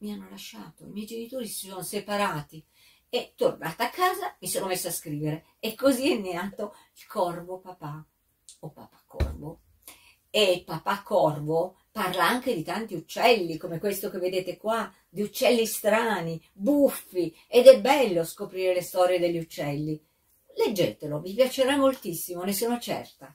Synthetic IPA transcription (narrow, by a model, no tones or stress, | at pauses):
mianːolaʃːaːt̪oimjɛjd͡ʒenit̪oːɾisi̥sonosepaɾaːt̪i | et̪ːornaːt̪eakːaːzamisoːnomesːoaskɾiːveɾe | ekːoziɛnːeaːt̪o | ilkʰɔrvopapa | opa̰pḁkːɔ̰rvo | epːapakːɔrvo | parlaaŋk̟ed̪it̪ant̪iut͡ʃːɛlːikomekwest̪ok̟evːed̪eːt̪ekwa | d̪iut͡ʃːɛlːist̪ɾaːni | bufːi | ed̪ɛbːɛlːoskopɾiːɾelest̪ɔːɾjed̪eʎːiut͡ʃːɛlːi | led͡ʒːeːt̪elovipjat͡ʃeɾamːolt̪isːimonesoːnot͡ʃɛ̰rt̪a